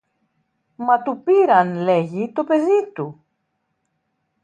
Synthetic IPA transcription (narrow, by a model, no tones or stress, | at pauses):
mɐt̪upiɾɐnle̞ʝit̪o̞pe̞ðit̪u